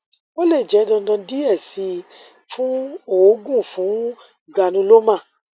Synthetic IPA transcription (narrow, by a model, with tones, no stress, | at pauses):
o˦le˦˨d͡ʒɛ˨˦dɔ̃˧˦dɔ̃˧di˦ɛ˦˨si˧ | fũ˦o˦˨˦ɡũ˦˨fũ˨˦ | ɡa˧˨nũ˧˦lo˦mã˦˨